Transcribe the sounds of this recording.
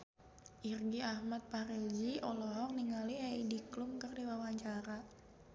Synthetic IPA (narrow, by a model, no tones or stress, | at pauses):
ʔirɡiahmat̪̚paɾed͡ʒiʔɔlɔɦɔk̚niŋaliaidiklʊmkərdiwawaɲt͡ʃaɾa